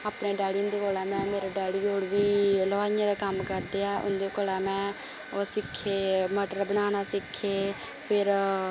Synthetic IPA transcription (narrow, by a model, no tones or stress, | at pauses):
aːpɳeːɖaːɽiʊ̃nd̪eːkoːlaːmɛ̃ːmeːɾeɖaːɽiːoːɽʋiːləaːɪjãːd̪aːkəmkəɾd̪eːɛːʔʊ̰nd̪eːkoːlaːmɛ̃ː | osɪkʰːeːməʈəɾbənaːnaːsɪkʰːeː | pʰɪɾ